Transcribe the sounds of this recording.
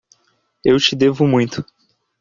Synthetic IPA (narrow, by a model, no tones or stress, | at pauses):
ewt͡ʃɪd̪evʊmũj̃t̪ʊ̥